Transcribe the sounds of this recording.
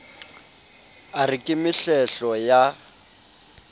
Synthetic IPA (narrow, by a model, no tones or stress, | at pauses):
arɪkʼɪmɪɬɛɬɔja